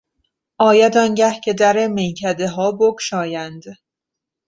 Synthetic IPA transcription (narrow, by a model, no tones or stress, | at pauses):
ʔɒːjæd̪ɒnɟæhcʰe̞d̪æɾemejcʰæd̪eɦɒːbokʰʃɒːjænd̪